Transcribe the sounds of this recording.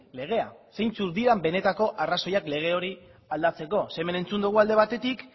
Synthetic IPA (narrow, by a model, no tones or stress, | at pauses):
le̞ɣ̞e̞ase̞jnt͡suɾðiɾambe̞ne̞t̪ako̞ʔaraso̞jakle̞ɣ̞e̞o̞ɾi | ald̪at͡se̞ko̞se̞me̞ne̞nt͡sund̪uɣ̞uald̪e̞β̞at̪e̞t̪ik